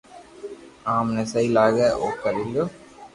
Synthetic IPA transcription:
aːmnɐsɐjlaːɣɐokːɐlɪlːo

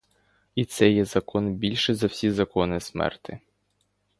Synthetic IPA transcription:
it̪sɛjɛzɐkɔnbʲilʲʃɛzɐwsʲizɐkɔnɪsmɛ̰rt̪ɪ

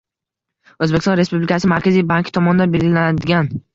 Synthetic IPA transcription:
ɵzbekʲst̪ɒ̃nɾe̞spublikʲʰasɪmaɾkʲazijbaŋkʰʲɪ̥t̪ʰɒmɒnd̪anbe̞lɡʲɪlanad̪ɪɡʲan

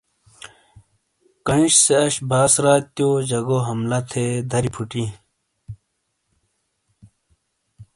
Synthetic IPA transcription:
kɐnɕseɐɕbaːsɾaːt̪joːd͡ʑɐɡoɦɐmlɐt̪ʰed̪ʱɐɾipʰuʈi

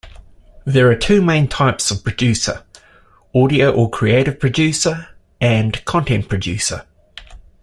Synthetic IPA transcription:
ðəɹətʰʉːmẽɪ̃ntʰɑɪpsəv̥pʰɹ̥əd͡ʒʉˑsə̰ | ɔːɾiəʊʔəkʰɹ̥ieɪɾɪv̥pʰɹ̥əd͡ʒʉˑsə | ə̃nkʰɒ̃ntʰɛ̃npʰɹ̥əd͡ʒʉˑsə̰

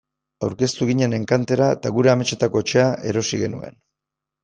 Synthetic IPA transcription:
awɾke̞st̪uɣ̞iɲe̞ne̞ŋkant̪e̞ɾaet̪aɣuɾe̞ame̞t͡ʃe̞t̪ako̞et͡ʃe̞aʔe̞ɾo̞siɣe̞nṵe̞̰n

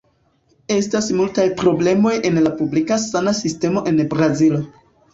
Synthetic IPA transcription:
e̞stasmultajpɾo̞ble̞mo̞je̞nlapublikasanasiste̞mo̞ʔe̞nbɾazilo

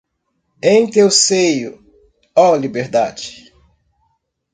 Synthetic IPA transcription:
ẽj̃t̪ewsejʊ | ɔlibeɾd̪ad͡ʒɪ̥

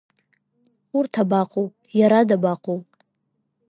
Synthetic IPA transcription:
urtʰabaqʷʰʼowpʼjaɾadabaqʷʰʼowpʼ

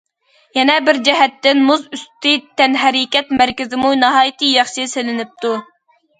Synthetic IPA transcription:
jɛnɛbɪɾd͡ʒɛɦɛt̪ːɪnmuzyst̪ɨt̪ʰːɛnɦɛɾikʲɛt̪mæɾkʲɪzɪmunɑɦɑːjt̪ʰɨjɑχʃɨselɪnɪp̚t̪u

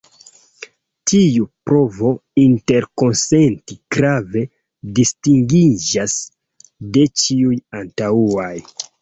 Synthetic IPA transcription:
tʰiupɾo̞vo̞inte̞ɾko̞nse̞ntikɾave̞ | distiŋɡid͡ʒas | de̞t͡ʃiujantauaj

